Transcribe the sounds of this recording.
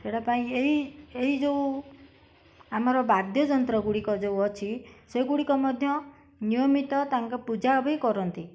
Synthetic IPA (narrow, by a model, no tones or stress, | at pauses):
eɽapaĩeɦieɦid͡ʒeũ | am̤ɔɾɔbaɾd̪jɔd͡ʒɔnt̪ɾɔɡuɽikɔd͡ʒeuɔt͡ʃʰiseɡuɽikɔmɔd̪ʱjɔ | nijɔmit̪ɔt̪aŋkɔpud͡ʒabikɔɾɔnt̪i